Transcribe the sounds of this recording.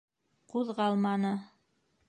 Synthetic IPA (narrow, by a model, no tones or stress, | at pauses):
quðʁɑlˠmɑnɤ